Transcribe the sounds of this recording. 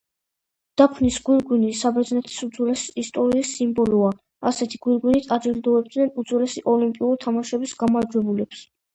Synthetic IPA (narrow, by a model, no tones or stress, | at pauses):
d̪̥apʰnisɡ̥wiɾɡwinisabɛɾd̪znɛt̪ʰi̥sud̪zwɛlɛsi̥ːst̪ʼɔɾiːsːimbɔlɔa | asɛt̪ʰiɡ̥wiɾɡwinit̪ʰʼad͡ʒild̪ɔɛb̚d̪nɛnud̪zwɛlɛsiʔɔlimpʼiuɾit̪ʰamaʃɛbisɡamaɾd͡ʒwɛbulɛps